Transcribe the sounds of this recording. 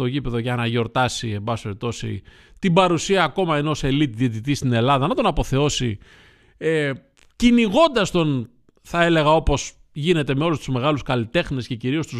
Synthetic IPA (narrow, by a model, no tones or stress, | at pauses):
t̪o̞ʝipe̞ðo̞ʝɐnɐʝo̞ɾt̪ɐsie̞mbɐspeɾit̪o̞sḭ | t̪ibɐɾusiɐːko̞mɐeinose̞lit̪ðiet̪it̪ist̪ine̞lɐðɐnɐt̪o̞nɐpo̞θe̞o̞si | e | ciniɣo̞nd̪ɐst̪o̞n | θɐe̞le̞ɣɐo̞po̞s | ʝine̞t̪e̞me̞o̞lust̪uzme̞ɣɐluskɐlit̪e̞xnesce̞ciɾio̞st̪uz